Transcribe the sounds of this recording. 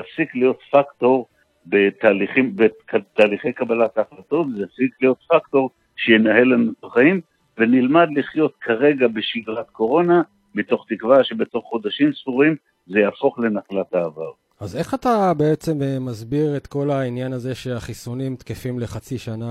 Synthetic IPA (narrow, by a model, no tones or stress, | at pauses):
afsiklijo̞t̪fakto̞ʁ | be̞t̪aːliχimbekat̪aːliχe̞jkabalat̪ːχlato̞tzejafsiklijo̞t̪fakto̞ʁ | ʃejenahe̞lanut̪aχaim | venilmad̪liχjo̞t̪kʰaʁe̞ɡabe̞ʃiɡʁat̪ko̞ʁo̞na | mit̪o̞χt̪ikvaʃebe̞to̞χːo̞d̪aʃimsfuʁim | zejaːfo̞χle̞naχlat̪aːva̰ʁ | aze̞χatabe̞et͡se̞memazbiʁe̞t̪ko̞lainjanaze̞ʃe̞aχisunimt̪kefimle̞χat͡siʃana